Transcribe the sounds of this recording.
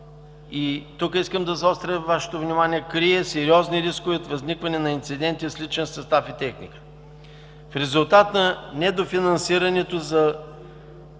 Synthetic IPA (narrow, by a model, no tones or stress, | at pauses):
it̪ukiskəmd̪ɐzɐɔst̪ɾɛvaʃɛ̥t̪ovnʲimaniɛkɾiɛsɛɾiɔzniɾiskʊviot̪vɐznikvɐnɛnɐint̪sid̪ɛnt̪islit͡ʃɛnsɐst̪afit̪ɛxnḭkə̥ | fɾɛzulˠt̪at̪nɐnɛd̪ofinɐnsiɾɐnɛt̪ozɐ